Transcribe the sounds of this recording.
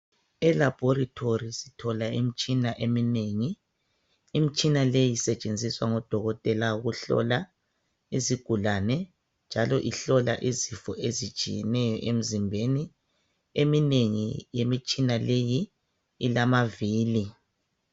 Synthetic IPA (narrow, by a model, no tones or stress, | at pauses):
ɛlab̥ʱɔɾatʰorisitʰɔlaim̩t͡ʃʼinaʔemineŋiː | mit͡ʃʼinalejisɛt͡ʃʼend͡zʱiswaŋɔd̥ʱɔɣɔtʼɛlauɣuɬɔ̰la | iziɡ̥ʱulanɛ | nd͡ʒʱalɔʔiɬɔla̰ʔizifɔʔezi̥t͡ʃʼḭjɛnɛjɔʔem̩zimbʱeni | emineŋḭjemit͡ʃʼinalejiː | lamaviːli